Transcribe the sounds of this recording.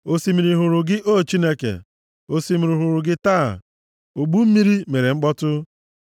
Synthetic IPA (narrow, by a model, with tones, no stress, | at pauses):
o˦si˨mi˨ɾi˨ɦʊ˨ɾʊ˨ɡɪ˦ʔo˦˨t͡ʃi˦ne˦kḛ˨ | o˦si˦mi˨ɾi˨ɦʊ˨ɾʊ˨ɡɪ˦ta̰ː˦˨ | o˨ɡ͡bu˦m̩˦mi˦ɾi˦me˨ɾe˨ŋ͡m̩˦k͡pɔ˦tʊ˦